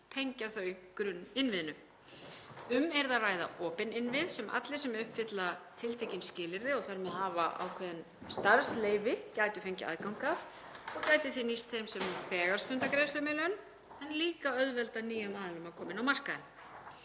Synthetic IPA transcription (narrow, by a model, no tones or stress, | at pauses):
t̪ʰejɲcaθœɥjkɾʏnːɪnvɪðnʏ | ʏmɛɾðaraːjða̰ʔɔːpɪnɪnvɪðsɛmʔa̰t̪lɪsɛmɛɾʏhpfɪt̪lat̪ʰɪlt̪ʰejcɪnscɪːlɪɾðɪɔɣθaɾmɛðɦaːvaʔa̰ːwkʰvɛːðɪn | st̪aɾsleːjvɪcajt̪ʏ̥fejɲcɪa̰ðkawŋkaf | ɔcaːjt̪ɪθinist̪θejmsɛmnuθɛːɣaɾ̥st̪ʏnt̪akɾejslœmɪlœn | ɛnliːkaœðvɛlt̪aniːjamaːðalʏmakʰɔːmɪnawmar̥kaðɪn